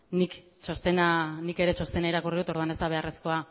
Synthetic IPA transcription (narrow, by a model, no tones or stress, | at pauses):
nik | t͡ʃost̪enanike̞ɾe̞t͡ʃo̞st̪e̞naiɾakuriðut̪o̞ɾðuane̞zt̪aβ̞e̞are̞sko̞a